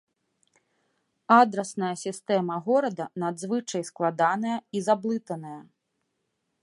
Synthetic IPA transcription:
ad̪ɾɐsnɐjɐsʲist̪ɛmɐɣɔɾɐd̪ɐnad̪zvɨt͡ʂɐjsklˠad̪anɐjɐizablˠɨt̪ɐnɐjɐ

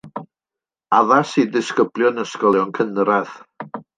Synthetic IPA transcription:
aðasidɪskəblˠjɔnəskɔlˠjɔnkʰənrað

